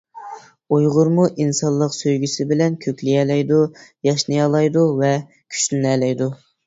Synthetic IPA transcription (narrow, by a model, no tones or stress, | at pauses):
ujʁʊɾmuʔinsɑnlˠːəqsøjɡʲysɪbɪlɛnkʲʰøkʲlijɛlɛjd̪ujɑʃnɨjɑlˠɑjd̪uvɛ | kʲʰy̥t͡ʃlynɛlɛjd̪u